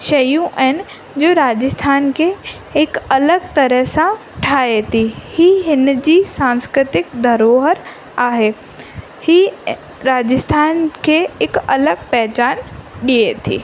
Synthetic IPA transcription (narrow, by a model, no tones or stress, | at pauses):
ʃɐjũʔɛɦɪn | d͡ʑoːɾaːd͡ʑəst̪ʰaːnkʰe | ɪkɐləɡ̚t̪ɐɾəɦsã | ʈʰaːet̪ʰihiːɦɪnd͡ʑiːsãːnskɾɪt̪ɪkd̪ʱɐɾoːɦəɾ | aːɦe | hiː | ɾaːd͡ʑəst̪ʰaːnkʰeɪkɐləɡ̚pɛɦt͡ɕaːnɗiet̪ʰḭː